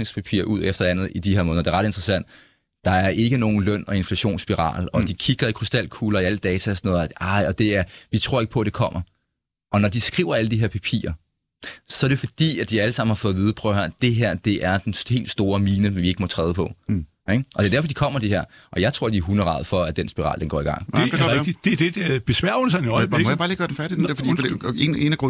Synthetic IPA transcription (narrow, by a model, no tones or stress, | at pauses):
eŋspʰæpʰḭɐʔuð̞̰ˠefd̥ɐænð̞̩ˠid̥iheɐmɔːð̩ˠdeɐʁɑ̈ɾ̥e̝nd̥ʁɐsæn̰d̥ | d̥ɑ̈æɐʔe̝ɡ̥əno̝ːn̩lœn̰ɒ̽e̝nflæɕo̝̰ːnsb̥iʁɑ̰̈ːlɒ̽d̥ikʰiɡ̥ɐikʰʁysd̥æl̰kʰuːlɐiæləd̥ɛːt͡sʰæsnɔ̽ːðˠɑɪ̰ɒ̽d̥e̝æɐʋit͡sʰʁo̝ɐ̰e̝ɡ̥pʰɒ̽æd̥e̝kʰɒ̽m̰ɐ | ʔɒ̽nɒd̥isɡ̥ʁḭːʊɐæləd̥iɦeɐ̰pʰæpʰḭːɐ | sɒ̽æɐɾe̝fɒ̽d̥ḭːæd̥iæləsɑ̈m̰ːn̩hɑ̈fɔ̽ð̩ˠið̞ˠpʰʁœʊhæɐ̰d̥e̝ɦeɐ̰d̥e̝ʔæɐd̥enhe̝̰ːld̥sd̥o̝ːɐmiːnəenʋie̝ɡ̥əmɒ̽t͡sʰʁɛːð̞ˠpʰɒ̽ | eɡ̥ʔɒd̥e̝ɐdæɐfɒd̥ikʰɒ̽m̰ɐd̥eɦeɐ̰ʔɒ̽jɑ̈ɪt͡sʰʁo̰ɐ̰diɐɦunəʁɑ̈ːðˠfɒ̽æd̥ensb̥iʁɑ̰̈ːld̥enɡɒ̰ːiɡ̥ɑ̈ŋ̰e̥id̥ed̥e̥b̥e̝sʋæɐ̰ʊlsænɒɪb̥jabɑliːɡ̥ɶɐden̩fæɐɾid̥endɛɐfdḭene̝næɡʁɔ